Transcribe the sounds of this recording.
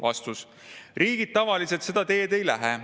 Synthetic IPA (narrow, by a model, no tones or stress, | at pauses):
vɑ̰st̪us | riːɡ̥id̪̥̚t̪ɑvɑlise̞t̪se̞d̪ɑt̪e̞ːd̪e̞jlæɦe